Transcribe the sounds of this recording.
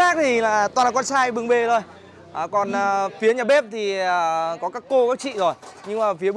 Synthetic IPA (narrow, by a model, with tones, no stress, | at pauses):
xaː˦˥k̚t̪ʰi˨˩laː˨˩t̪waː˨˩˨kwaː˧nsaː˧jɓɨ˨˩ŋɓe˨˩t̪ʰo˧˩j | ʔːkɔ˨˩nʔəː˨˩fi˨˦əɲaː˨˩ɓe˦˥p̚t̪ʰi˨˩əː˨˩kɔ˨˦kaː˦˥kːo˧kaː˨˦˥k̚t͡ɕḭ˧˨zo˨˩jɲɨ˧ŋmaː˨˩fi˨˦ə